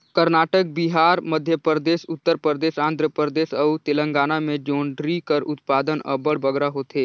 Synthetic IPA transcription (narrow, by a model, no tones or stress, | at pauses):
kəɾnaːʈək̚biɦaːɾməd̪ʱjəpɾəd̪eːʃʊt̪ːəɾpɾəɾd̪eːʃãːnd̪ʱɾəpɾəd̪eːʃɐut̪elə̃ŋɡaːnamẽd͡ʒõːɳɖɾikəɾʊt̪paːd̪ənɐ̰bəɽbəɡɾaɦoːt̪eː